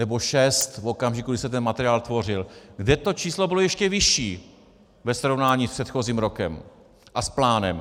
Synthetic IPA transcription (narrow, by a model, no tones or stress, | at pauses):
nɛbo̞ʃɛst̪fʔokamʒɪkuɡdɪsɛt̪ɛnmat̪ɛɾɪaːlt̪vo̞r̝ɪlɡdɛt̪o̞t͡ʃiːslo̞bɪlo̞jɛʃcɛvɪʃiː | vɛsɾo̞vnaːɲiːspr̥ɛt̪xo̞ziːmɾo̞kɛ̰m | ʔasplaːnɛ̰m